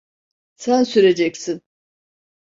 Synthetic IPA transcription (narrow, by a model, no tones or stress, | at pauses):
sænsyɾe̞d͡ʒɛcsin